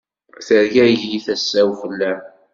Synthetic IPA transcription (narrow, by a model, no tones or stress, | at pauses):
θəɾjæʝjiθæsːæwfəlːæ